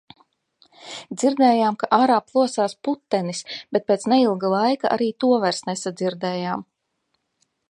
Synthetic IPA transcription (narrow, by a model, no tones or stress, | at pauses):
d̪ziɾd̪ɛːjaːmkaʔaːɾaːplˠuɔsaːsput̪ːɛnisb̥et̪̚peːt̪sneilˠɡalˠajkaʔa̰ɾiːt̪uɔvæɾsnesad̪ziɾd̪ɛːjaːm